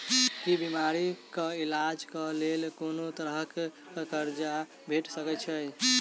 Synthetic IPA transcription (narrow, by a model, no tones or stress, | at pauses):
kibimaɾikəilad͡ʒkəlelkonot̪əɾəɦəkː | kəɾd͡ʒa | bʱeʈsəkɛt͡ʃʰəj